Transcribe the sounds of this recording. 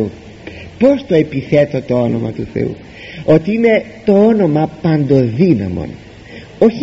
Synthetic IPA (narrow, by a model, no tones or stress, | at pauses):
u | po̞st̪o̞e̞piθe̞t̪o̞t̪o̞o̞no̞mɐ̰t̪uθe̞̰ṵ | o̞t̪iine̞t̪o̞o̞no̞mɐpɐnd̪o̞ðinɐ̰mo̞̰n | o̞ç